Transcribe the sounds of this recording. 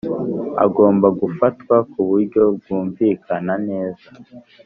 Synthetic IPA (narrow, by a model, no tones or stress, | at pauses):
a̰ɡo̞ːmbaɡufatkwakuβuɾɟo̞b̚ɡuːɱviːkʰanane̞ːza